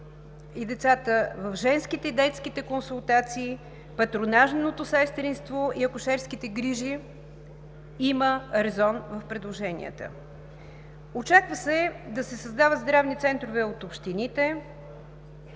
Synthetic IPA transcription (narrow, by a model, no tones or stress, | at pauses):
id̪ɛt̪sat̪əvɐfʒɛnskit̪ɛid̪ɛt̪skit̪ɛkonsulˠt̪at̪siː | pɐt̪ɾonaʒnot̪osɛst̪ɾinst̪voʔiɐkʊʃɛɾskit̪ɛɡɾiʒi | iməɾɛzɔnvəfpɾɛd̪lˠoʒɛnʲḭə̰t̪ə̰ | ot͡ʃakvəsɛd̪ɐsɛsɐzd̪avəd̪zd̪ɾavnit̪sɛnt̪ɾovɛot̪opʃt̪init̪ɛ